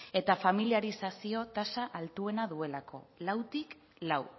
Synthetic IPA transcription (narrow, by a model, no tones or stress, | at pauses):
e̞t̪afamiliaɾisasio̞t̪asaʔalt̪ue̞naðue̞lako̞̰lawt̪ik | law